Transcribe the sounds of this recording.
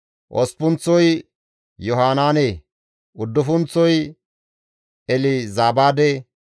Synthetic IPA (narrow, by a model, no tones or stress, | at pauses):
ʔɔ̰spʊnt͡sːɔj | jɔɦaːnaːne | ʊd̪ːʊfʊnt͡sːɔj | ɛlɪzaːbaːd̪ɛ